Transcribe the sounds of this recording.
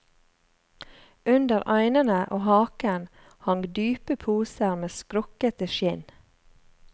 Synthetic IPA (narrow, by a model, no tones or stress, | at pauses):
ʉnd̪əɾʔɑɪnənəʔoːhɑːkən | hɑŋd̪yːpəpʰuːsəɾmeːskɾɔkət̪əʃɪn